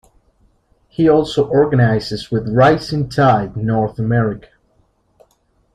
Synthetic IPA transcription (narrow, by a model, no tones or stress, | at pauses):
hiɔlˠsoʊʔɔɹɡənaɪzɨzwɪðɹaɪsɪ̃ntʰaɪdnɔɹθəmɛɹɪkʰə̥